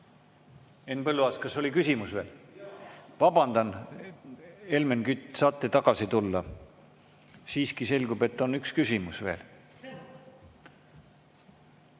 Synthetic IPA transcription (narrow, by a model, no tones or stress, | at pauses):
enpɤlːuɑːskɑsːo̞lʲikysʲimusve̞ːl | vɑb̥ɑnd̪ɑn | e̞lme̞nkyt̪ʲːˑsɑːt̪ːˑe̞t̪ɑɡ̥ɑsit̪ulːɑ | siːskise̞lʲɡ̥ube̞t̪ːˑo̞nykskysʲimusve̞̰ːl